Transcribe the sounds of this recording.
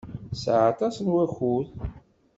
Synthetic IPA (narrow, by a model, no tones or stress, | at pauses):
sʕat̪ˤɑsənwæxuð